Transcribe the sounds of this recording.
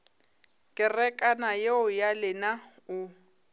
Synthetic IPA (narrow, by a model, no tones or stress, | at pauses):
kʼɪrɛkʼanajeʊjalɪna | ʊ